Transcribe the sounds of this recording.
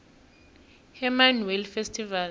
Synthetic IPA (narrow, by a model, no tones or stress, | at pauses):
hɛmanwɛlfestʰʼival